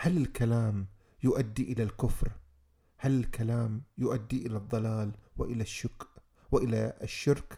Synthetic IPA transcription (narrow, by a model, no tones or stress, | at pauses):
halɪlkalaːm | jʊʔad̪ːiʔɪlalkʊfɾ | halɪlkalaːmjʊʔad̪ːiʔɪlaðˤːɑlaːlwɪʔɪlaʃːʊkʔ | wɪʔɪla̰ʃːɪɾk